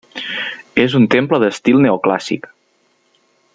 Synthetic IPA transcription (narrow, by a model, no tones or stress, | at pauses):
ezunt̪empləðəst̪ilˠneokla̰sḭk